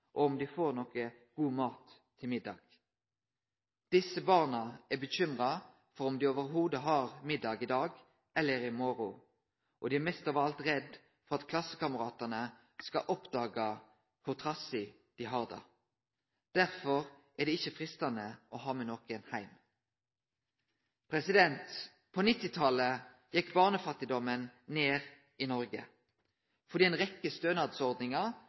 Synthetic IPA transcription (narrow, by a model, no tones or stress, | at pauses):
ʔɔɔmd̪ɪfoːɾnɔkəɡ̥uːmɑːt̪ʰː | ɪlmɪd̪ɑ̰ːɡ̥ | d̪̥ɪsəbɑːʁnɑɛbəçʏmʁɑ | fɔɾɔmd̪ɪoːʋəɾɦuːd̪əɦɑːʁmɪd̪ɑːɡɪd̪ɑːɡ | ɛlːəɾɪmɔɾʊ | ʔɔd̪ɪæmɛst̪ɑʋɑlt̪ɾɛd̪ | fɔʁɑt̪kʰlɑsəkɑməʁɑːt̪ɑnə | skɑʔɔpd̪ɑːɡɑ | kʰʊt̪ʰʁɑsɪ | d̪̥ɪɦɑʁd̪ɑ̰ | d̪̥æʁfɔʁʔæd̪ɛɪçːəfʁɪst̪ɑnəʔɔhɑːmɛnɔkənhæɪm | pʰʁɛsɪd̪ɛnt̪ | pʰoːnɪt̪ːɪt̪ʰɑlə | jɛkːbɑːʁnəfɑt̪ːɪd̪ɔmənːeːʁ | inɔʁɡə | fɔʁd̪iːɛnʁɛkːəst̪øːnɑd̪sɔʁd̪nɪŋɑ